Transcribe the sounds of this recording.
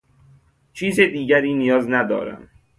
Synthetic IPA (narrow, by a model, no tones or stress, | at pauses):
t͡ʃʰiːzed̪iːɟæɾiːnijɒːznæd̪ɒ̰ːɾæ̰m